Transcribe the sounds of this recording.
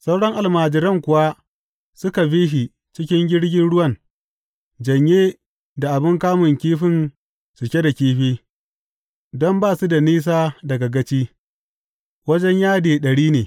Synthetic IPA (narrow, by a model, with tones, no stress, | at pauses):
sa˦wɽɔ˦ŋʔa˨lmaː˨d͡ʒɪ˨ɾɐ˦ŋkʷʊ˨wa˦ | sʊ˦ka˨ɸiː˦ʃi˨ | t͡ʃɪ˦kʲɪ˦ŋɡʲɪ˦ɽɡʲɪ˦nɽʊ˦wɐ˦˨n | d͡ʒɐ˨ɲjeː˦ | da˨ʔa˨bɪ˦ŋkaː˦mʊ˨ŋkʲiː˦ɸɪ˦n | sʊ˨kʲe˦da˨kʲiː˦ɸeː˦ | dɔ˦mbaː˦˨su˦da˨niː˦s̬aː˦dɐ˨ɡɐ˨ɡɐ˦t͡ʃiː˦ | wɐ˦d͡ʒɛ˦ɲjaː˦deː˨ɗɐ˨ɽiː˦neː˨